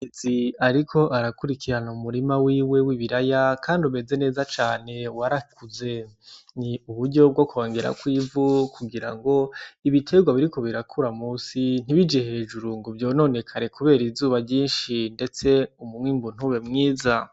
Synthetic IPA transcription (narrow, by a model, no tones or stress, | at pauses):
iziaɾikʰo̞ʔaɾakuɾikʰiɾanumuɾimawiːwe̞wiβiɾajakʰaːndume̞ze̞ne̞ːzat͡ʃaːne̞waɾakʰuze̞niuβuɾɟo̞b̚ɡo̞koːŋɡeɾa̰kwiːvukʰuɡiɾa̰ŋɡo̞iβitʰe̞ɡwaβiɾiko̞βiɾakʰuɾamuːsin̥iβid͡ʒehe̞ːd͡ʒuɾuŋɡovjo̞ːno̞ne̞kʰaɾe̞kuβe̞ːɾizuːβaɟiːnʃinde̞t͡se̞umumwiːmbun̥uβe̞mŋiːza